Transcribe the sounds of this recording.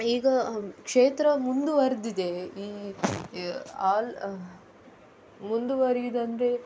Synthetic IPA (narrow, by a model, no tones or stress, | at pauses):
iːɡɐkʂeːt̪ɾɐmund̪uʋɐɾd̪id̪e̞iː | aːl | mund̪uʋɐɾiid̪ɐnd̪ɾe